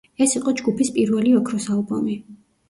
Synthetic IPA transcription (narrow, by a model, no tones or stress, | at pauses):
ɛsiqʼɔd͡ʒɡupʰispʼiɾvɛliɔkʰɾɔsalˠbɔmi